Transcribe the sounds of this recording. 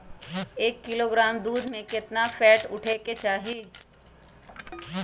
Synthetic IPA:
eːkːɪloːɡɾaːmd̪uːd̪ʱmẽkɪt̪nafɛːʈʊʈʰeket͡ʃaːɦiː

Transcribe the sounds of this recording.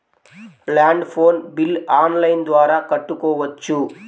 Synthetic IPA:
laːɳɖpʰoːnbilaːnlɐjnd̪ʋaːɾaːkɐʈːukɔːʋɐt͡ʃːu

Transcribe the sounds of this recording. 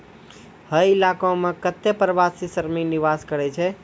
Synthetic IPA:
həjilakõmekət̪ːepɾəʋasisəɾminiʋaskəɾɛt͡ʃʰɛ

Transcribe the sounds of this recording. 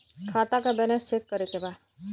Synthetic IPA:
kʰaːt̪akabɛnesekkəɾekeba

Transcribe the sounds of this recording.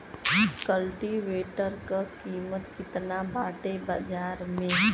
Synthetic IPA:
kəlʈiʋeːʈəɾkakiːmət̪kɪt̪nabʱaːʈebad͡ʒaːɾmẽ

